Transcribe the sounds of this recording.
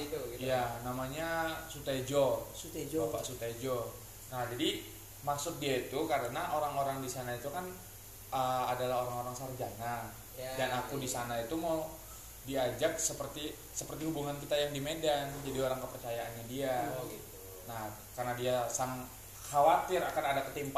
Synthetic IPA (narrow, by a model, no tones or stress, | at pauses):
janamaɲasut̪aid͡ʒod͡ʒpa̰ʔsut̪ad͡ʒo | nahd͡ʒadi | maksʊt̪̚diait̪ukaɾənaʔoɾaŋoɾaŋdisanait̪ukan | əadalahoɾaŋoɾaŋsard͡ʒanan | danakudisanait̪uma | diad͡ʒak̚səpərt̪i | səpərt̪iɦubuŋankit̪ajaŋdimedand͡ʒadioɾaŋkəpərt͡ʃajaːnɲadia | nah | karnadiasaŋ | xawat̪ɪɾakanadakət̪imp